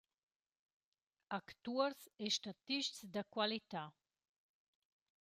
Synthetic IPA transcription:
akt̪uəɾseʃtat̪iʃtsd̪əkwalit̪a

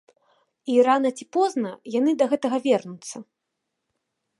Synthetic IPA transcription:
iranɐt͡sʲipɔznɐjanɨd̪ɐɣɛt̪ɐɣɐvʲɛrnut̪sːɐ

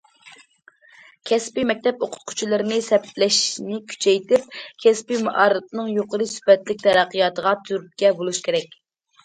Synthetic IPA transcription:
kʲʰɛspimɛk̚ʲt̪ɛpoqʰʊ̥t̪̚qʰʊ̥t͡ʃʰilˠɨɾɨnɪsɛplɛʃnɪkʲʰy̥t͡ʃʰɛjt̪ɪp̚kʲʰɛspimuʔɑɾɨp̪nɨŋjoqəɾɨsy̥pɛt̪lɪk̚ʲt̪ʰɛɾæqːəjɑt̪əʁɑt̪ʰyɾyp̚kʲɛbolˠuʃkʲʰeɾɛkʲ

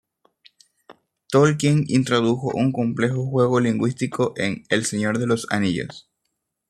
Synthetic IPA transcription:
t̪olk̬jeŋḭnt̪ɾo̞ðuxo̞̰ʔuŋko̞mple̞xo̞xwe̞ɣo̞liŋɡwist̪ikʰo̞ʔeŋe̞lseɲo̞ɾðe̞lo̞sa̰niʝo̰s

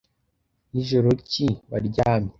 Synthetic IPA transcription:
iʒoɾociβaɾɟaːme

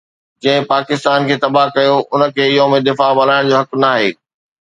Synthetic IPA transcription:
d͡ʑɐ̃ɦɪ̃paːkɪst̪aːnkʰeːt̪ɐbaɦkɐjoʔʊnə̆kʰeːɪɦomẽd̪ɪfabɐl̤aːɪɽ̃d͡ʑoːɦɐknaːɦeː

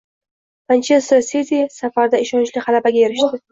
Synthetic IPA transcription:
pant͡ʃʰest̪ɾsezʲisafaɾd̪aɪʃɒnt͡ʃlɪhalabaɡʲajeɾɪʃt̪ɪ

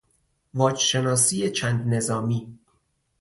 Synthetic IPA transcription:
vɒːd͡ʒʃe̞nɒːsiːjet͡ʃʰænd̪ne̞zɒːmiː

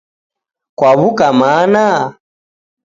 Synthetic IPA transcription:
kwaβukamana

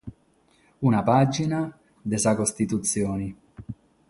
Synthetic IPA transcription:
unapad͡ʒina | d̪esakost̪it̪ut̪sːjɔːni

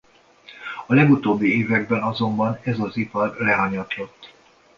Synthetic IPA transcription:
ɒlɛɡut̪oːbːieːvɛɡ̚bɛnɒzo̞mbɒnɛzɒzipɒrlɛɦɒɲɒt̪lo̞t̪ː

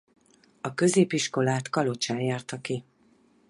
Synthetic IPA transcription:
ɒkø̞zeːpiʃko̞laːt̪kɒlo̞t͡ʃaːnjaːrt̪ɒki

